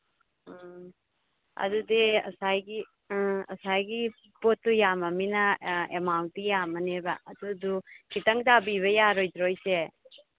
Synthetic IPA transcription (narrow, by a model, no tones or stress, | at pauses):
ɐ̰dudiɐ̰sajɡi | ɐ̰sajɡi | potːujamɐminɐemawntdijamɐnebɐ̰ʔːdudukitɐŋdabiβɐjaɾojdɾojse